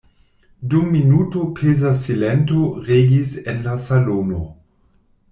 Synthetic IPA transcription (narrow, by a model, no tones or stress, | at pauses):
dumːinutopʰezasilentoʁeɡisenlasalono